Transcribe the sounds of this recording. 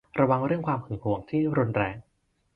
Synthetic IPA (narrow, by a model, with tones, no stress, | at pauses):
ɾa˧wa˧ŋɾɯ˥˩əŋkʰwaː˧mkʰɯ˩˦ŋhu˩˦əŋt̪ʰiː˥˩ɾu˧nɾɛː˧ŋ